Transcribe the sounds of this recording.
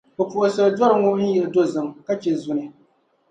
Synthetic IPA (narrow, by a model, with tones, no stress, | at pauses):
bɛ˨pu˨ʔʊ˨sɨ˨bdɔ˦ɾɨ˨˦ŋʊ˦n̩˦jɛ˨ɨ˨do˦zɨ˨mka˦t͡ʃɛ˨zʊ˨nɨ˨